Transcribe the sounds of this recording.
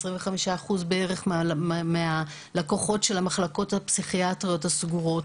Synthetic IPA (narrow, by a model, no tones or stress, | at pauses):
sʁiɱveχamiʃaːχuzbee̞ʁe̞χmmea | lakoχo̞tʃe̞lamaχlako̞thapsiχiatʁio̞thasɡuʁo̞t